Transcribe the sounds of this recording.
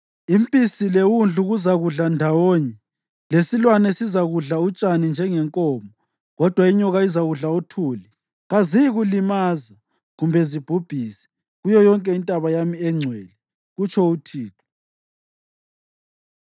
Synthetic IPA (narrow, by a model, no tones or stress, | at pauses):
impʼisilewund͡ɮʱuɣuzaɣuɮandʱawɔːɲɛ | lesilwanɛsizaɣuɮaut͡ʃʼanind͡ʒʱɛŋɛŋkʼɔːmɔ | ɣɔd̥ʱwaiɲɔɣaizaɣuɮautʰuːli | ɣazijiɣulimaːza | ɣumbʱɛzib̥ʱub̥ʱisɛ̥ | ɣujɔjɔŋkʼɛintʼaβajamiɛŋ͡ǀʱwɛːlɛ | ɣut͡ʃʰɔutʰiːtʰɔ̥